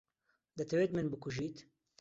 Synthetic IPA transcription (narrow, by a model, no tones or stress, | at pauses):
d̪ɐt̪ʰɛweːt̪mɨnbɨkʊʒiːt̪